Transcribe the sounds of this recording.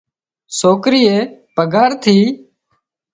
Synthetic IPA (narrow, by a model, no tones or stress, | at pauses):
soːkɾiːeːpəɡaːɾt̪ʰiː